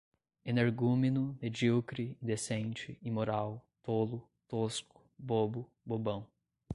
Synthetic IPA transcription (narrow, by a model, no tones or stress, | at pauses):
ẽneɾɡuminʊmed͡ʒiwkɾiĩd̪esẽt͡ʃɪimoɾawt̪olʊ | t̪oskʊ̥bobʊ | bobɐ̃w̃